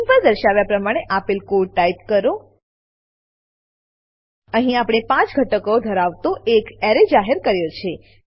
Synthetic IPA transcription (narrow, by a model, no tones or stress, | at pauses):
mpəɾd̪əɾʃaʋjapɾəmaɽ̃eʔapilkuɽʈaipkəɾo | əɦĩapɽ̃epãt͡ʃɡʱəʈəkod̪ʱəɾaʋt̪oʔekɛɾed͡ʒaɦeɾkəɾjot͡ʃʰe